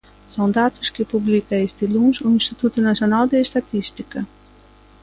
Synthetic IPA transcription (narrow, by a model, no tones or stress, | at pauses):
sɐ̃w̃d̪at̪u̥ʃkɪpublikɐest̪ilũʒuĩnʃt̪it̪ut̪unɐsjonalˠd̪eʃt̪at̪iʃt̪ikɐ